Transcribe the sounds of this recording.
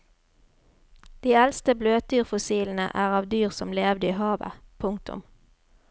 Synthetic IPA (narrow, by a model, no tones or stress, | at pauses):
d̪̥iːɛlst̪əbløːt̪̚d̪yːʁfʊsiːln̩ə̰ʔæːʁɑːʋd̪yːʁsɔmleːʋd̪əiːɦɑːʋə̰pʰʊŋk̚t̪ʰʊ̰m